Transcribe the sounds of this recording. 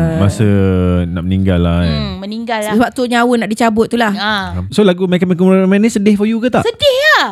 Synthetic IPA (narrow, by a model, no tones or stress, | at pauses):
masənaʔməniŋɡalaməniŋɡalsbaʔ̚t̪uɲawənaʔdit͡ʃabʊt̪̚ːulahsolaɡumɛkəmɛkɔmmɛnisədɪhfɔjukət̪aʔsədɪha